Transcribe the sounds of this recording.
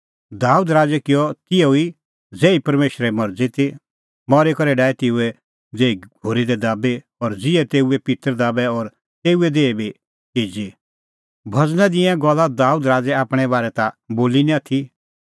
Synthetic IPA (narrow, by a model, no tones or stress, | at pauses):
d̪aːud̪ɾaːd͡zɛkɪjɔt̪ɪjoi | d͡zeːipɐɾmeːʃɾɛmɐɾd͡zit̪i | mɔɾekɐɾɛɖaːɛt̪ɪːuɛ | d͡zeːiɡʱoːɾid̪ɛd̪aːbe | ɔɾd͡zɪɛt̪eːuɛpɪt̪əɾd̪aːbɛɔːɾ | t̪eːuɛd̪eːibi | kiːd͡ʒi | bʱɐd͡znɛd̪ɪɛ̃ɡɔlːad̪aːud̪ɾaːd͡zɛaːpɽ̃ɛbaːɾɛt̪aboːlinĩat̪ʰi